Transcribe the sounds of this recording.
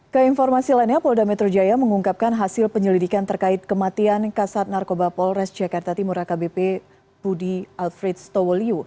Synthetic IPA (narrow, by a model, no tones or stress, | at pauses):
kəinfɔrmasilainɲapɔldamɛt̪ɾod͡ʒajaməŋuŋkap̚kanɦasɪlpəɲəlidikant̪ərkaɪt̪̚kəmat̪iankasat̪̚narkobapɔlrɛsd͡ʒakart̪at̪imuɾakabepe | budialfɾɛt̪̚st̪ɔwɔliu